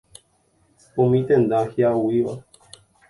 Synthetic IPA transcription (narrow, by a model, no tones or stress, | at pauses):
ũmĩt̪ẽnd̪ahjauiʋa